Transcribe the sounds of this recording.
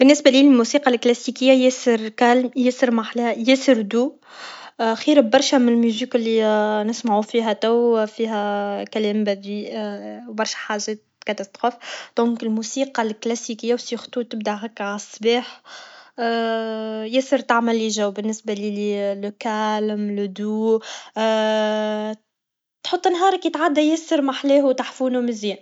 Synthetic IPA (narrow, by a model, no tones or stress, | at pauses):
bɪnːɪsbæliːlɪlmusiːqɑlklæsikɪjːajesəɾkælmjesəɾmaħljesəɾd̪uː | xiːɾɪbbɑɾˤʃæmnlmyziːkɪlːinɪsmaʕufiːɦæt̪æwfiːɦækælɛːmbæd̪iːʔwbɑɾˤʃæ̥ħaʒɛːt̪̚kat̪ɑst̪ɾofd̪̥ɔ̃ːŋkɪlmusiːqɑlklæsikɪjːawsixt̪ˤuːt̪ːɪb̚d̪aɦækʕasˤːbiːħ | jæsəɾt̪aʕmælːiʒæwbɪnːɪsbaliliːlkalmlʊd̪uː | t̪ħot̪ˤːɪnɦɑːɾˤɑkjɪt̪ʕad̪ːæjæsəɾmaħlɛːhuwt̪aħfuːnumɪzjiːn